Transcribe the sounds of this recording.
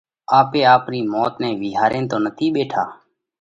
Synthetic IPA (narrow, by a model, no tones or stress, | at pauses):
aːpeːaːpniːmoːt̪nɛ̃ːʋɪːɦaːɾeːnt̪oːnət̪ʰiːɓeːʈʰaː